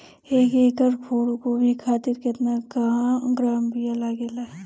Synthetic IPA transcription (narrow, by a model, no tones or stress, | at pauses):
eːkeːkəɾkʰoːɽkobʱikʰaːt̪ɪɾkɪt̪nakaɡɾaːmbijalaɡelaːɛ